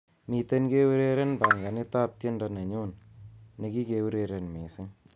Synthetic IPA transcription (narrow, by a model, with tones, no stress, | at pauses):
mi˨t̪e˦nke˦we˦ɾe˦ɾe˦nba˨ŋɡa˨nɪ˦t̪a˦p̚tje˦nda˨na˨ɲo˦nne˨ki˦ke˨wɾe˨ɾe˨nme˨sɪ˦